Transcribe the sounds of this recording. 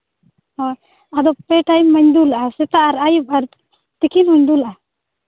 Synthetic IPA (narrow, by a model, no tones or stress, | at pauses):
ɔ | ad̪ɔpɛʈajmːəɲd̪ulaʔasɛt̪aʔaɾajup̚aɾ | t̪ikinhɔɲd̪ulaʔa